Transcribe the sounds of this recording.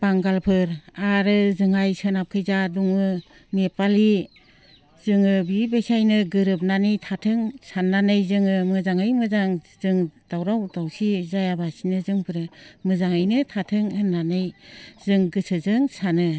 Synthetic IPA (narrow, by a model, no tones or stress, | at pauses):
baŋɡalpʰɯɾaɾɯzɯŋajsɯnap̚kʰɯjzaduŋɯ | mepali | zɯŋɯbibesajnɯɡɯɾɯp̚nanɯjtʰatʰɯŋsanːanɯjzɯŋɯmɯzaŋɯjmɯzaŋzɯŋd̥awɾawdawsizajabasinɯzɯŋpʰɯɾɯmɯzaŋɯjnɯtʰatʰɯŋɯnːanɯjzɯŋɡɯsʰɯzɯŋsanɯ